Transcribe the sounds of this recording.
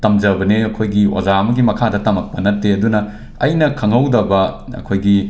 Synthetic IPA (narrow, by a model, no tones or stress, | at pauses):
tɐmd͡ʒɐbɐneɐkʰojɡio̰zaɐmɐɡimɐkʰadɐtɐmɐk̚pɐnɐtːeɐdunɐ | ɐjnɐkʰɐŋɦɐwdɐbɐɐ̰kʰojɡi